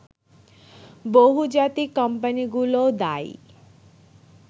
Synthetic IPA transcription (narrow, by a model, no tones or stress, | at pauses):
boɦud͡ʒat̪ikəmpəniɡulod̪ajḭ